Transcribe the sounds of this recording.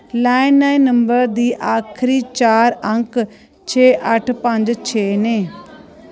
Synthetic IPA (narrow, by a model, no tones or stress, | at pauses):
laːɪnːaːinːəmbəɾd̪iːʔaːkʰɾiːt͡ʃaːɾəŋk | t͡ʃʰeːʔəʈʰpəɲd͡ʒt͡ʃʰeːneː